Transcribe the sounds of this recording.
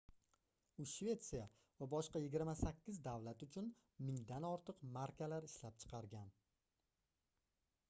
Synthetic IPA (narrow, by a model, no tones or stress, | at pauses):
ʊʃve̞t̪sija | vabɒʃqɑjɪɡʲɪɾmasakʲʰːɪzd̪avlat̪ʊt͡ʃʰʊn | mɪŋd̪anɒɾt̪ʰɨqmaɾkʲalaɾɪʃlap̚t͡ʃʰɨ̥qʰɑɾɡʲan